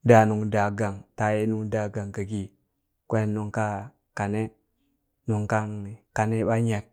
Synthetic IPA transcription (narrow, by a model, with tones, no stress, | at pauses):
da˨nu˨ŋda˨ɡa˨ŋta˨je˦nu˨ŋda˨ɡa˨ŋka˨ɡi˨ | kʷe˦nu˨ŋka˦ | ka˨ne˦ | nu˨ŋka˦n˨ka˨ne˦ɓa˦ɲe˨k̚